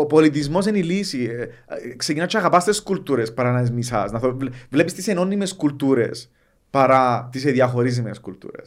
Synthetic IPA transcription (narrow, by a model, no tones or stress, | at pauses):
opolit̪̬izmos̬enilisi | ksekinat͡ʃʰːaɣapast̪eskult̪uɾespaɾanaezmisa̰snaθovlepist̪isenonimeskult̪uɾḛs | paɾat̪is̬eðiaxoɾis̬imeskult̪ṵɾḛs